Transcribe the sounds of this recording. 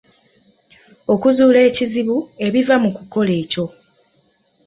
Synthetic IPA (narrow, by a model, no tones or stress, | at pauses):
o̞kuzuːle̞ːciziβue̞βivamukuko̞le̞ːco̞